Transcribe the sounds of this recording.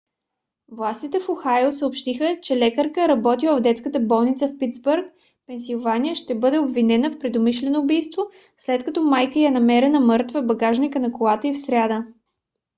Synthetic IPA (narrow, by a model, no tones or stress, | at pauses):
vlˠast̪it̪ɛfoxajosəopʃt̪ixət͡ʃɛlɛkəɾkəɾɐbɔt̪ivˠəvd̪ɛt̪skət̪əbɔlˠnit̪səfpit̪zbuɾk̚ | pɛnsilˠvaniəʃt̪ɛbɤd̪ɛobvinɛnəfpɾɛd̪omiʃlɛnoːbijst̪vo | slɛt̪kɐt̪ɔmajkəjanɐmɛɾɛnəmɤɾt̪vəbɐɡaʒnikənɐkolˠat̪əifsɾʲad̪ə